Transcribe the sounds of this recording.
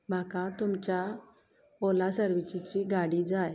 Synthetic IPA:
m̤akãt̪umt͡ɕja | olasəɾʋit͡ɕit͡ɕiɡaɽid͡zaj

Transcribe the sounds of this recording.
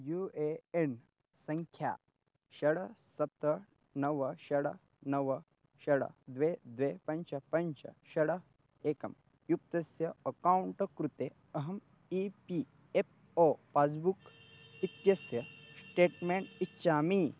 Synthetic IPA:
jueen | sɐŋkʰja̰ː | ʃɐɽɐsɐp̚t̪ɐ | nɐʋɐʃɐɽɐ | nɐʋɐ | ʃɐɽɐ̰d̪ʋeːd̪ʋeːpɐɲt͡ʃɐpɐɲt͡ʃɐ̰ʃɐɽɐ | eːkɐm | juk̚t̪ɐsjɐɐkaːwuɳʈkɾut̪eː | ɐɦɐm | ipi | ep̚ | oːpaːd͡zbuk | it̪jɐsjɐsʈeːʈmeːɳitːʃaːmi

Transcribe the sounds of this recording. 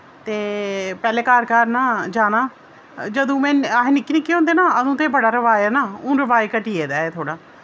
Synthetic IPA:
t̪eːpɛːleːkaːɾkaɾnaːd͡ʒaːnãː | d͡ʒəd̪õːmɛ̃ːaɦẽnɪkːinɪkːiːɦõnd̪eːnaːəd̪ũːt̪eːbəɽaːɾəʋaːjeːnaːʊ̃ːɾəʋaːiːkəʈiːeːd̪aːeːt̪ʰoːɽaː

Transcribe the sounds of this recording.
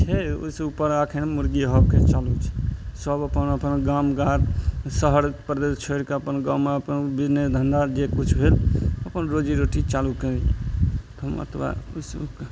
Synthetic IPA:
t͡ʃʰɛṵsupːəɾakʰenmuɾɡiɦəb̚ket͡ʃalut͡ʃʰɛ̥səbəpənəpənɡamɡat̪səɦəɾpɾəd̪est͡ʃʰoɾkeəpənɡamːeəpənbined̪ʱənd̪ad͡ʒekut͡ʃʰbʱeləpənɾod͡ʒiɾoʈit͡ʃaluke | t̪mə̰t̪ʰwa̰usk

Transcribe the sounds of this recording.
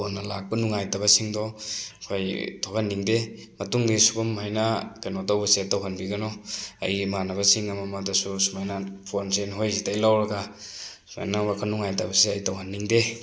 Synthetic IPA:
nːalak̚bɐnuŋajtaβɐsiŋdɔkʰojtʰokʰanːiŋdemɐtuŋdisuɡɔmajnakanodawbɐsetawɦanbiɡɐnɔɐ̰jmanabɐsiŋɐmamadasusumajnapʰonsenɦojzitajlawɾɐɡasuma̰jnawakʰanuŋajtabɐseɐjtawɦanːiŋde

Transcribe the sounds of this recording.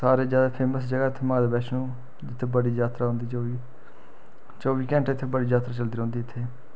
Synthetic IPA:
saːɾeːd͡ʒjaːd̪aːpʰeːməsd͡ʒəɡaːɪt̪ʰːemaːd̪eːbɛːt͡ʃnũː | d͡ʒɪt̪ʰːebəɽiːd͡ʒaːt̪ɾaːɦʊ̃nd̪iːi | t͡ʃoːʋiːkɛ̃ːɳʈɪt̪ʰːebəɽiːd͡ʒaːt̪ɾaːt͡ʃəld̪iːɾːnd̪iːɪt̪ʰːeː

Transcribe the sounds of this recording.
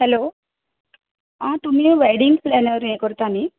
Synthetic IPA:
helo | ãt̪um̤iːʋeɽiŋɡplenəɾjẽkəɾt̪ani

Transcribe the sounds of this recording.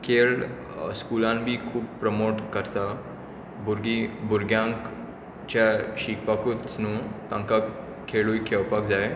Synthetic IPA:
kʰeːɭ | skuːlãnbʱikʰuːb̚pɾəmoːʈkəɾt̪a | bʊɾɡibʊɾɡjãŋk | t͡ʃaʃiːk̚pakutnũt̪ãŋka | kʰːeːɭuikʰepakd͡ʒaːe

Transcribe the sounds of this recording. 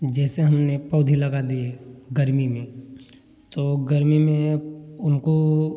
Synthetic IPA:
d͡ʒɛːseɦɐmnepɔːd̪ʱilɐɡad̪ieɡɐɾmimẽ | t̪oːɡɐɾmimẽʊnko

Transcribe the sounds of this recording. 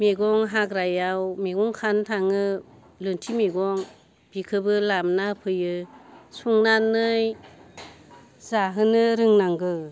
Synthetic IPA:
meɡɔŋɦakɾajawmeɡɔŋkʰantʰaŋɯ | lɯntʰimeɡɔŋ | b̥ikʰɯbɯlamnapʰɯjɯsuŋnanːɯj | zaɦɯnɯɾɯŋnaŋɡɯ

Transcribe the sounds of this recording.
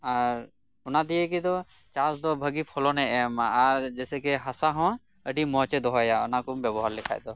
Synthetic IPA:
aɾ | unad̪ijɛkid̪ɔ | t͡ʃasd̪ɔbʱəɡipʰɔlɔnɛɛmaɾd͡ʒɛsɛkɛɦasaɦɔ̃ | əɖimɔt͡ʃɛd̪ɔɦɔjaɔ̰nakubjɛbɔɦaɾlɛkʰa̰jd̪ɔ

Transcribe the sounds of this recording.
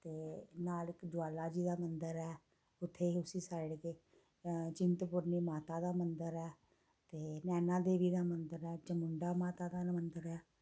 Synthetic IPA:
t̪eːnaːlɪkd͡ʒʊaːlaːd͡ʒiːd̪aːmənd̪əɾɛː | ʊt̪ʰːeːʊsiːsaːɪɽkeː | t͡ʃɪnt̪pʊɾniːmaːt̪aːd̪aːmənd̪əɾɛː | t̪eːnɛːnaːd̪eːʋiːd̪aːmənd̪əɾɛːt͡ʃəmʊɳɖaːmaːt̪aːd̪aːmənd̪əɾɛː

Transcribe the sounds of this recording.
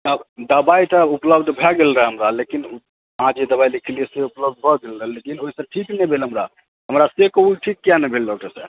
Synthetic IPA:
əd̪əbait̪əupləbd̪bʱɛɡelɾəɦɛɦəmɾalekin | əɦãd͡ʒed̪əbailikʰlieseupləbd̪̚ʱbʱɔɡelɾəɦɛlekinoɦisə̃ʈʰiknɛbʱelɦəmɾa | ɦəmɾasekoɦuʈʰikːjanɛbʱelɖɔk̚ʈəɾsə

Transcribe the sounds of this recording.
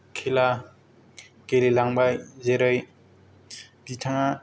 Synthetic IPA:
kʰela | kelelaŋbajzeɾɯj | d̥itʰaŋa

